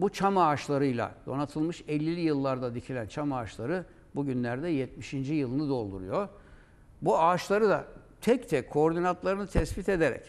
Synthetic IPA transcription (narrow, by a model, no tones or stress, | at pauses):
but͡ʃʰamaːʃlˠaɾɯjlˠa̰d̪̥o̞nat̪ʰɯlˠmɯʃɛlʲːilʲijɯlˠːaɾd̪ad̪icʰilʲænt͡ʃʰamaːʃlˠaɾɯ | buɟynlʲæɾd̪ɛjɛt̪miʃind͡ʒijɯlˠɯnɯd̪o̞lˠd̪ṵɾujo | buaːʃlˠaɾɯd̪a̰ | t̪ʰɛct̪ʰɛkkʰːoɾd̪inant̪lˠaɾɯnɯt̪ʰɛspit̪e̞d̪e̞ɾɛ̰c